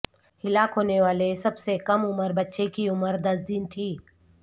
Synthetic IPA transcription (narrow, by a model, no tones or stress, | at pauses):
hɪlaːkɦoːneʋaːlesɐbsekɐmʊməɾbɐtːʃekiʊməɾd̪ɐs̬d̪ɪnt̪ʰiː